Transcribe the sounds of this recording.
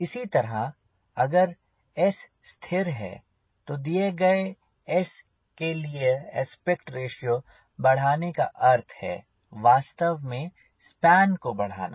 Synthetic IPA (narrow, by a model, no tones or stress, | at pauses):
ɪsit̪ɐɾə | ɐɡəɾ | ɛsː | t̪ʰɪɾɦɛ̰ː | t̪od̪ijeɡɐe | ɛs | kelieɛspekʈɾeːʃijo | bɐɽ̤aːneka̰ʔɐɾt̪ʰhɛ̰ː | ʋaːst̪əʋmẽ | spɛːnkobɐɽ̤a̰ːna̰